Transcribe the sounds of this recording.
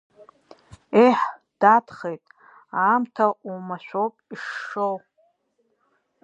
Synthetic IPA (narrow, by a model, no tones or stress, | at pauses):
eħd̥atʰχejtʼ | aːmtʰaʔumaʃʷᶣowpʼiʂːow